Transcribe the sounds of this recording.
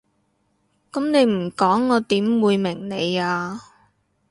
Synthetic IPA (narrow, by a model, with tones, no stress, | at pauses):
kɐ˨˥mne˨˧jm̩˨˩kɔː˨˥ŋːɔː˨˧t̪iː˨˥mwuː˨˧jmɪ˨˩ŋne˨˧jaː˧